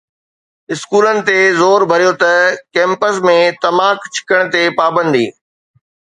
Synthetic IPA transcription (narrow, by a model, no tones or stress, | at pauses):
ɪskuːlənɪ̆t̪ezoːɾbʱɐɾijot̪ɐkɛ̃ːmpəsmẽt̪ɐmaːkt͡ɕʰɪ̥kəɽ̃t̪epaːbə̃nd̪ḭː